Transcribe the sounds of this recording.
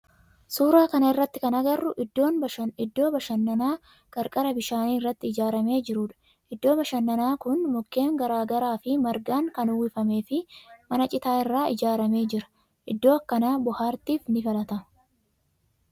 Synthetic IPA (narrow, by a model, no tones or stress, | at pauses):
suːɾaːkɐnɐɪrːɐt̪ːɪkɐnɐɡɐrːʊʔɪd̪ːo̞ːnbɐɐɪd̪ːo̞ːbɐʃɐnːɐnaː | kʼɐɾkʼɐɾɐbɪʃaːniːɪrːɐt̪ːɪɪd͡ʒaːɾɐme̞ːd͡ʒɪɾʊːᶑɐ̥ | ʔɪd̪ːo̞ːbɐʃɐnːɐnaːkʊnmʊkːe̞ːŋɡɐɾaːɡɐɾaːfɪmɐɾɡaːŋkɐnʊwːɪfɐme̞ːfɪmɐnɐt͡ʃʼɪt̪aːɪrːaːɪd͡ʒaːɾɐme̞ːd͡ʒɪɾɐ̥ | ʔɪd̪ːo̞ːɐkːɐnaːbʊhaːɾt̪iːfnɪfɐlɐt̪ɐ